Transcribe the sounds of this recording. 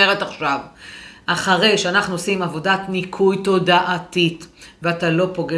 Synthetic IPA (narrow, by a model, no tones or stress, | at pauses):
eʁetaχʃavʔaχaʁe̞jʃeanaχnuosimavo̞datnikʰujto̞daʔatitveatalo̞po̞ɡe